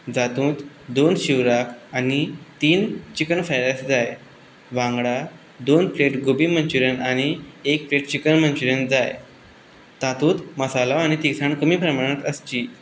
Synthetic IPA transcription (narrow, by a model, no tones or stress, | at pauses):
d͡zat̪ũːt̪ | d̪onɕiʋɾakʰañit̪iːnt͡ɕikəɳfajɾasd͡zaj | ʋãŋɡɽa | d̪onfleʈɡobiːmənt͡ɕuɾənaɽ̃iekfleʈ̚t͡ɕikənmənt͡ɕuɾənd͡zaj | t̪at̪ũːt̪məsalaaɽ̃it̪iksaɳkəmiːpɾəmaɽ̃ət̪əst͡ɕiː